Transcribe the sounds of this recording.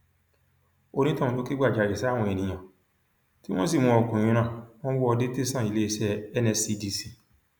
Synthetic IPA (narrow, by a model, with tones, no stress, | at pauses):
o˧nĩ˦tã˦˧ũ˧to˦ke˦ɡ͡ba˦˨d͡ʒa˨jɛ˨sɛ˨˦a˦˨w̃ɔ̃˧ɛ˨nĩ˨j̃ã˨ | ti˦w̃ɔ̃˦si˦˨mũ˧ɔ˨˧˨kũ˨j̃ũ˧˦nã˦˨w̃ɔ̃˦wɔ˦ɔ˧de˦te˦˨sã˦˨i˧le˦i˧˦ʃɛ˦ɛ˦nɛ˧si˧di˧si˦˧